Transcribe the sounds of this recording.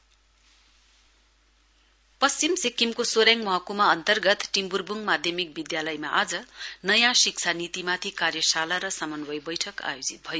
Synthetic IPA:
pʌst͡ɕimsikːimkosoɾjaŋmʌɦʌkumaʌnt̪ʌrɡʌt̪ʈimburbuŋmad̪ʱjʌmik̚bid̪jalʌjma̰ʔad͡zʌnʌjãsik̚t͡sʰanit̪imat̪ʰikarjʌsalaɾʌsamʌnbʌjbʌjʈʰʌka̰jod͡zit̪̚bʱʌjo

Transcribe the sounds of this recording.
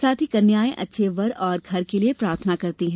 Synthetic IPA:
saːt̪ʰikɐɾnjaːẽʔɐ̰tːʃʰeʋɐɾɔːɾɡʱɐɾkeliepɾaːɾt̪ʰənakɐɾt̪iɦɛ̃ː

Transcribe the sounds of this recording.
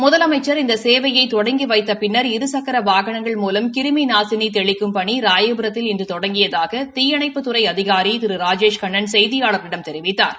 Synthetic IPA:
mʊðɐlɐmɐɪt͡ʃːɐɾɪnd̪ɐseːʋɐjɐɪt̪ɔɽɐŋɡiʋɐɪt̪ːɐpɪnːɐɾɪɾɯsɐkːɐɾɐʋaːɣɐɳɐŋɡɐɭmuːlɐmkɪɾɯminaːsɪnit̪ɛɭɪkːɯmpɐɳiɾaːjebɾɐt̪ːɪlɛndrɯt̪ɔɽɐŋɡɪjɐðaːɣɐt̪ɪjɐɳɐɪpːɯt̪ːɯɾɐɪɐðɪɣaːɾit̪ɪɾɯɾaːd͡ʒeːʂkɐɳːɐnsɛjðɪjaːɭɐɾnɪɽɐmt̪ɛɾɪʋɪt̪ːa̰ːɾ

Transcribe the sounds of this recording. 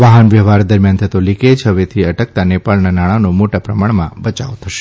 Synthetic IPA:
ʋaɦənʋjəʋaɾd̪əɾmjant̪ʰət̪oliked͡ʒɦəʋet̪ʰiəʈək̚t̪anepaɭnanaɽ̃anomoʈapɾəmaɳmãbət͡ʃaʋt̪ʰəʃe̥

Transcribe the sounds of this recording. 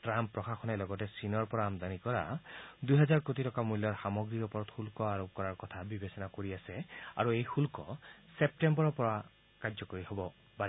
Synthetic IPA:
tɹampɹɔxaxɔnɛlɔɡɔtɛsinɔɹpɔɹaːmdanikɔɹa̰dujɦɛzaɹkotitɔkamulːɔɹxamɔɡɹiɹɔpɔɹɔtxulkɔaɹop̚kɔɹaɹkɔtʰabibesɔnakoɹiasɛa̰ɹuejxulkɔsep̚tembɔɹɔɹpɔɹa | kad͡ʒzɔkoɹiɦobɔ | paɛ

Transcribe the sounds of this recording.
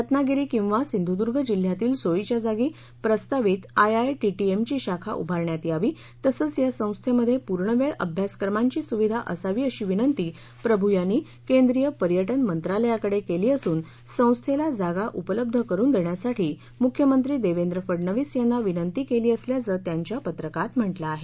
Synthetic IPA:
ət̪naɡiɾiːkĩw̃ʋasind̪ʱud̪uɾɡʱəd͡ʑil̤ːjat̪iːlsoit͡ɕjad͡zaɡiː | pɾəst̪aʋiːt̪ajajʈiʈiemt͡ɕiːɕakʰa̰ʔṵbʱaɾɳjat̪iaʋiː | t̪əsəːt͡sjasə̃w̃st̪ʰeməd̪ʱːjepuɾɳəʋeɭə̰bʱjaskəɾmaɲt͡ɕiːsuʋid̪ʱaʔəsaʋiːəɕiːʋinənt̪iː | pɾəbʱujanːiː | kend̪ɾijəpəɾjəʈənmənt̪ɾaləjakəɽekeliːəsuːn | sə̃w̃st̪ʰelad͡zaɡaʔupələb̚d̪ʱəkəɾuːnd̪eɳjasaʈʰiː | mukʰjəmənt̪ɾiːd̪eʋend̪ɾəfəɽɳəʋiːsjanːaʋinənt̪iːkeliːəsljad͡zəɾt̪jaɲt͡ɕjapət̪ɾəkat̪m̤əʈlaːɦe

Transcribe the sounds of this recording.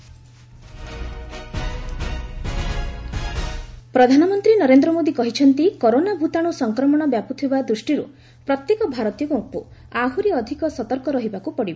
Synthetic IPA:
pɾɔd̪ʱanɔmɔnt̪ɾinɔɾend̪ɾɔmod̪ikɔɦit͡ʃʰɔnt̪ikoɾonabʱut̪aɽ̃usɔŋkɾɔmɔɽ̃ɔbjaput̪ʰibad̪ɾusʈiɾṵ | pɾɔt̪jekɔbʱaɾɔt̪ijɔkuupuaɦuɾiɔd̪ʱikɔsɔt̪ɔɾkɔɾɔɦibakupɔɽibɔ

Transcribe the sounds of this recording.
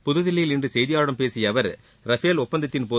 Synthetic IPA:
pʊðʊðɪlːɐjɪlɪndrɯsɛjðɪjaːɽɐmpeːsɪjɐʋɐɾ | ɾɐfeːlʊpːɐnd̪ɐt̪ːɪnpoː

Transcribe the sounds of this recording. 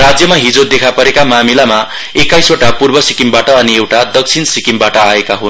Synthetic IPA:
rad͡zjʌmaɦid͡zod̪ekʰapʌɾekamamilama | ekajsoʈapurbʌsikimbaʈʌːniewʈad̪ʌk̚t͡sʰinsikimbaʈʌaekaɦun

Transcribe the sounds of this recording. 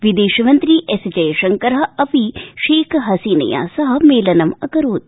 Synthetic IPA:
ʋid̪eːʃɐmɐnt̪ɾiʔesd͡ʒɐjɐʃɐŋkɐɾɦɐ̆ɐpiʃeːkʰɦɐsiːnɐ̰ja̰ːsɐɦɐ̆meːlɐnɐmɐkɐɾoːd̪̚

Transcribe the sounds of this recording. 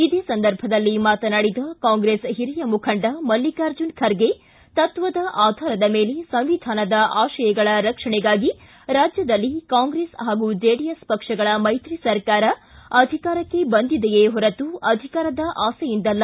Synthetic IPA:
id̪eːsɐnd̪ɐɾbʱɐd̪ɐlːimaːt̪ɐnaːɽid̪ɐkaːŋɡɾeːsɦiɾijɐmukʰɐɳɖɐmɐlːikaːɾd͡ʒunkʰɐɾɡe | t̪ɐt̪ʋɐd̪ɐʔaːd̪ʱaːɾɐd̪ɐme̞ːlesɐ̃mʋid̪ʱaːnɐd̪ɐʔaːʃɐjɐɡɐɭɐɾɐkʂɐɳɛɡaːɡi | ɾaːd͡ʒjɐd̪ɐlːikaːŋɡɾeːsɦaːɡud͡ʒeːɽijespɐkʂɐɡɐɭɐmɐjt̪ɾisɐɾkaːɾɐɐd̪ʱikaːɾɐkːe̞bɐnd̪id̪ejeːɦɔɾɐt̪uɐd̪ʱikaːɾɐd̪ɐʔaːsɐjind̪ɐlːɐ

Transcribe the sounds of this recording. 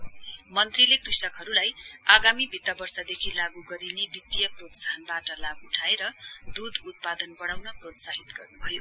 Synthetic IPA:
mʌnt̪rilekrisʌkɦʌɾulajaɡamibʱit̪ːʌbʌrsʌd̪ekʰilaɡuɡʌɾinebit̪jʌprot̪saɦʌnbaʈʌlaɡuuʈʰaeɾʌd̪ud̪ut̪̚pad̪ʌnbʌɽawnʌprot̪saɦit̪ɡʌrnubʱʌjo

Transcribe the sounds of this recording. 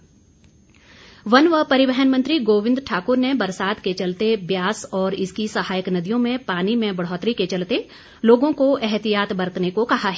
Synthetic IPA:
ʋɐnʋəpɐɾɪʋɛɦənmɐ̃nt̪ɾiɡoːʋɪ̃nd̪ʈʰaːkʊɾnebɐɾsaːd̪ket͡ʃɐlt̪ebjaːsɔːɾɪskisɐɦaːjəknɐd̪ijõmẽpaːnimẽbɐɽ̤ɔːt̪ɾiket͡ʃɐlt̪e | loːɡõkoʔɛɦt̪ijaːt̪bɐɾət̪nekokɐɦaɦɛː

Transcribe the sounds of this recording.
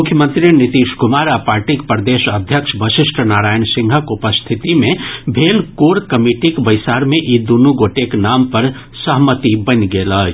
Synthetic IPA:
mʊkʰjəmə̃nt̪ɾinit̪iʃkumaɾapaɾʈikpɾd̪eʃəd̪ʱjəkʃʰbəʃɪʃʈʰənaɾaːjənsĩŋɡʱəkupəst̪ʰit̪imẽbʱelkoɾkəmiʈikbəjsaɾmeʔid̪unuɡoʈeknampəɾ | səɦmət̪ibənɡeləɦt͡ʃʰ

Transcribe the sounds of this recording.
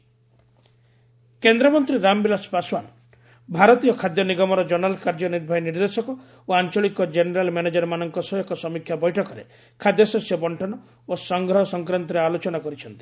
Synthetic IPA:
kend̪ɾɔmɔnt̪ɾiɾambilaspaswan | bʱaɾɔt̪ijɔkʰad̪jɔniɡɔmɔɾɔd͡ʒɔnalkaɾd͡ʒɔniɾbʱainiɾd̪esɔkɔ | oant͡ʃɔɭikɔd͡ʒeneɾalmaned͡ʒaɾɔmanɔŋkɔsɔjɔkɔsɔmikʰjabɔjʈʰɔkɔɾe | kʰad̪jɔsɔsjɔbɔɳʈʰɔnɔ | osɔŋɡɾɔɦɔsɔŋkɾɔnt̪ɔɾealot͡ʃɔnakɔɾit͡ʃʰɔnt̪i̥

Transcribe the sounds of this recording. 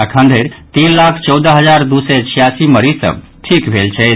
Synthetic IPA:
akʰə̃nd̪ʱeɾt̪inlakʰt͡ʃɔwd̪əɦəd͡ʒaɾd̪usɛt͡ʃʰijasiməɾisə̰̃ | ʈʰikbʱelt͡ʃʰɛ

